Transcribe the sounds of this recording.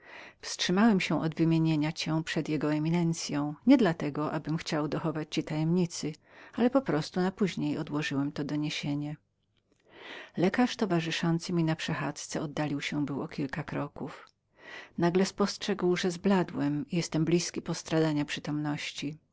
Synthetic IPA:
fstʂɘmawɛmɕɛ̃ʔɔd̪vɘmʲjeɲeɲat͡ɕɛ̃pʂɛd̪jɛɡɔɛmʲinɛnt̪sʲjɔ̃w̃ɲɛd̪lat̪ɛɡɔʔabɘmxt͡ɕawd̪ɔxɔvat͡ɕt͡ɕit̪ajɛmɲit̪sɘ | alɛpɔpɾɔst̪unapuʑɲejɔd̪wɔʐɘwɛmt̪ɔd̪ɔɲeɕeɲɛ | lɛkaʂt̪ɔvaʐɘʂɔnt̪sɘmʲinapʂɛxa̰t̪st̪sɛɔd̪ːalʲiwɕɛbɘwɔkʲilkakɾɔkuf | naɡlɛspɔstʂɛɡwʐɛzblad̪wɛmijɛst̪ɛmblʲiskʲipɔst̪ɾad̪aɲapʂɘt̪ɔmnɔɕt͡ɕi

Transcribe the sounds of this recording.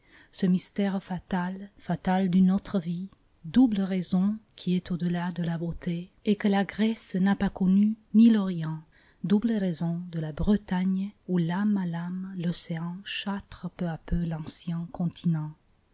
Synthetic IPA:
səmist̪ɛʁfat̪alfat̪ald̪ynɔt̪χəvi | d̪ubləʁezɔ̃kʰiɛt̪od̪əlad̪əlabot̪ʰeɛkəlaɡʁɛsnapakɔnynilɔʁjɑ̃ | d̪ubləʁezɔ̃d̪əlabʁət̪aɲulamalamlɔseɑ̃ʃat̪χəpøapølɑ̃sjɛ̃kɔ̃t̪ʰinɑ̃

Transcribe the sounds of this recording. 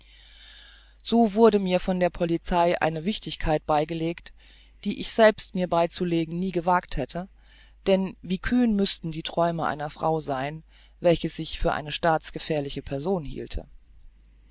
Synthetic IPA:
z̥oːvʊɐdəmiːɐfɔndeːɐpʰɔlit͡saɪʔa̰ɪnəvɪçtɪçkʰaɪt̚b̥aɪɡəleːkt | d̥iːʔɪçz̥ɛlpstmiːɐbaɪt͡suleːɡŋ̩niːɡəvaːkthɛtʰə | d̥ɛnviːkʰyːnmʏstn̩diːtʁ̥ɔʏməʔa̰ɪnɐfʁ̥a̰ʊzaɪn | vɛlçəsz̥ɪçfyːɐʔa̰ɪnəʃtaːt͡sɡ̥əfɛːɐlɪçəpʰɛɐzoːnhḭːltʰə̰

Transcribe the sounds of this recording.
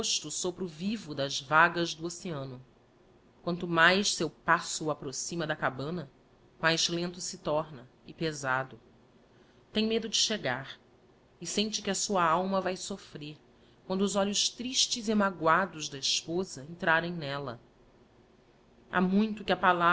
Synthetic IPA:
oʃt̪ʊsopɾʊvivʊd̪ɐzvaɡɐzd̪ʊoseɐ̃nʊ | kwɐ̃nt̪ʊmajʃsewpasʊːapɾosĩmɐd̪ɐkabɐ̃nɐ | majzlẽnt̪ʊsɪt̪ɔɾnɐ | ɪpezad̪ʊ | t̪ẽj̃med̪ʊd͡ʒɪʃeɡaɾ | ɪsẽnt͡ʃɪkʲɪɐsuɐawmɐvajsofɾeɾ | kwɐ̃nd̪ʊːzɔʎʊʃt̪ɾiʃt͡ʃɪziamaɡwad̪ʊʒd̪ɐiʃpozɐẽnt̪ɾaɾẽj̃nɛlɐ̰ | ʔa̰mũj̃t̪ʊkɪɐpala

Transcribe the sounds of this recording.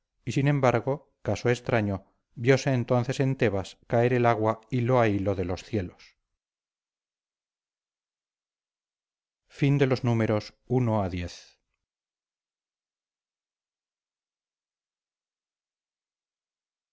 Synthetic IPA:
isinẽ̞mbaɾɣo̞ | kaso̞est̪ɾaɲo̞ | bjo̞se̞ːnt̪o̞nθe̞se̞nt̪e̞βaskae̞ɾelaɣwailoailo̞ðe̞lo̞sθje̞los | find̪e̞lo̞znume̞ɾo̞s | uno̞aðje̞θ

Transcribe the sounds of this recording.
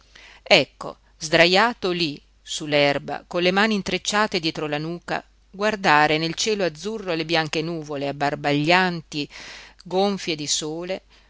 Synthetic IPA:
ɛkːo̰ | zd̪ɾajaːt̪oli | sulːɛrba̰konlemaːnint̪ɾet͡ʃːaːt̪ed̪jɛːt̪ɾolanuːka̰ | ɡward̪aːɾenelt͡ʃɛːload̪zːurːolebjaŋk̟enuːvoleabːarbaʎːant̪iɡoɱfjed̪isoːle

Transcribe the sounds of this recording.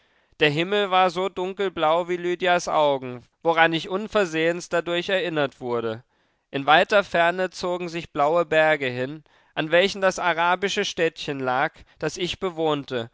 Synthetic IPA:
d̥eːɐɦɪml̩vaːɐzoːdʊŋkl̩blaʊviːlyːdjasʔa̰ʊɡŋ̩ | voʁanɪçʔʊnfɛɐzeːənstd̥adʊɐçɛɐʔɪnɐtv̥ʊɐɾə | ʔɪnvaɪtɐfɛɐnət͡soːɡŋ̩zɪçb̥laʊəbɛɐɡəɦɪn | ʔanvɛlçn̩dasaʁaːbɪʃəʃtɛːtçənlaːkd̥asɪçb̥əvoːntə

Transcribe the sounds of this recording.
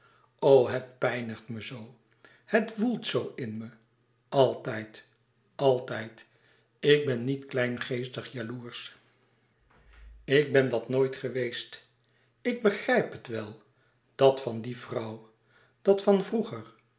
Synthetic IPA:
owɦət̚pɛjnəχtməzow | hətvulˠtsowɪnmə | ʔɑlˠtɛjt | ɑlˠtɛjt | ɪɡ̚bɛnːitklɛjnχejstəχjaluːɹs | ɪɡ̚bɛndɑtnoːjtχəʋejst | ɪɡ̚bəχrɛjpɦətʋɛlˠ | d̥ɑtfɑndivrɑw | d̥ɑtfɑnvruχər

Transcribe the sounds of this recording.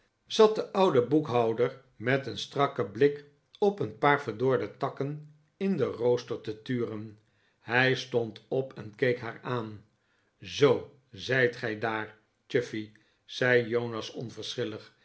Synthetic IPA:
z̥ɑt̚dəʔʌwdəbukɦɑwdəɹ | mɛtənstrɑkəblɪk | ɔpənpaːɹvəɹdʊːɹdətɑkən | ɪndərowstəɹtətyːrən | hɛjstɔntɔpɛnkejkɦaːɹaːn | zow | zɛjtχɛjdaːɹ | t͡ʃɪfi | z̥ɛjjownɑsɔ̰nvəɹsχɪləχ

